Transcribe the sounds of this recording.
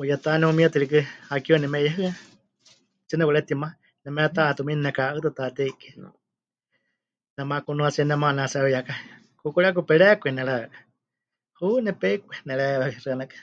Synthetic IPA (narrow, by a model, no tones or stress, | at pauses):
ujat̪anɛumiat̪ɨɾikɨhakiɔnɛmɛjaɦɨa | t͡ʃɨnɛwaɾɛt̪ima | nɛmɛɾat̪aʔːt̪uminnɛkaɨt̪ɨt̪at̪ɛikɛn̰ | nɛmakunũasiɛnɛmanasɛaβɛjaka | kukuɺak̬upɛɺɛkʷɛnɛɺaɛkḁ | hunɛpɛikʷɛnɛɺɛβɛkɾɨanakḁ